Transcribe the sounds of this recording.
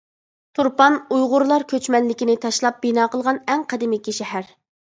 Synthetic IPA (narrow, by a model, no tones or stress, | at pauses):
t̪ʰuɾpɑnujʁʊɾlˠɑɾkʲʰøt͡ʃmɛnlɪkʲinɪt̪ʰɑʃlˠɑp̚b̥inɑːqəlˠʁɑnɛŋqʰɛd̪ɪmɪkʲːiʃɛhæɾ